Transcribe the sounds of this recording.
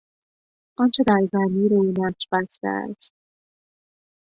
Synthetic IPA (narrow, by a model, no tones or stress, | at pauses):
ʔɒnt͡ʃʰed̪æɾzæmiːɾoinæʃbæst̪æ̰æ̰st̪̚